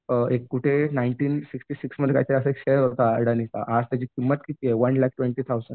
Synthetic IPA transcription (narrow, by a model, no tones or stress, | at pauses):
ekːuʈʰenaiɳʈiːnsiksʈiːsiksməd̪ʱeka̰jt͡ɕaɾəsəekɕeɾʋəɾt̪aɽənist̪a̰ʔad͡zt̪jad͡ʑiːkimːət̪kit̪iːjeʋənlɛk̚ʈʋeɳʈiːt̪ʰawzəɳ